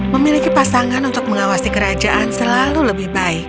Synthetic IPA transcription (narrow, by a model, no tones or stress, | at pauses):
məmilikipasaŋanunt̪ʊk̚məŋawasikəɾad͡ʒaʔansəlaluləbɪhbaɪk̚